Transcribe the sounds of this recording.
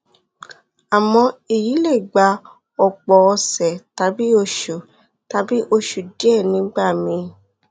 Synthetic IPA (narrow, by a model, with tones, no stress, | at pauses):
a˨mɔ̃˧i˨ji˨˦le˦˨ɡ͡ba˧˦ | ɔ˧˨k͡pɔ˨ɔ˧sɛ˨ta˧˦bi˦o˧ʃu˨ | ta˨˧˦bi˦ʔo˧ʃu˨dɛ˦˨nĩ˨˦ɡ͡ba˦˨mĩ˧